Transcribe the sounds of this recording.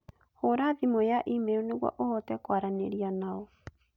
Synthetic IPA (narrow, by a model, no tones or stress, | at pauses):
hoɾaðimojaʔimeɔneɣwa̰ʔohɔtɛkwaɾaneɾianaɔ